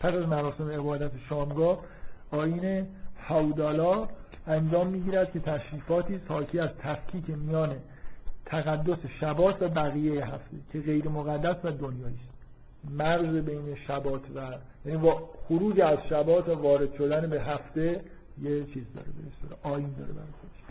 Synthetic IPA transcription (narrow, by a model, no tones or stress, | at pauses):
pʰæsæzmæɾɒːse̞meebɒːd̪æt̪ʰeʃɒːmɡɒː | ɒːjiːne̞hæud̪ɒːlɒː | ænd͡ʒɒːmːiːɟiːɾæd̪̥̚kʲʰe̞t̪ʰæʃɾiːfɒːt̪ʰiːshɒːcʰiːæzt̪ʰæfkʰiːcʰemijɒːne̞ | t̪ʰæɣæd̪ːo̞seʃæbɒːt̪ʰvæbæɣiːjejeɦæft̪e̞cʰe̞ɣe̞jɾe̞moɣæd̪ːæsvæd̪onjɒːiːst̪ | mæɣzebe̞jne̞ʃæbɒːt̪ʰvæ | jæniːxoɾuːd͡ʒeæzʃæbɒːt̪ʰvævɒːɾe̞d̪̥ʃo̞d̪ænebe̞ɦæft̪e̞ | jet͡ʃʰiːzd̪ɒ̰ːɾebeest̪eɾeʔɒːjiːnd̪ɒːɾḛbæ̰ɾɒjxod̪e̥ʃ